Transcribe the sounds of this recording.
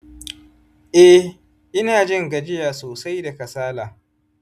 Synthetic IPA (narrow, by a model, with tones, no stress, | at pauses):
ʔɛ˦ | ʔɪ˦naː˨d͡ʒɪ˦ŋɡɐ˨d͡ʒɪ˦jaː˨soː˨sa˦jda˨kɐ˨saː˦laː˨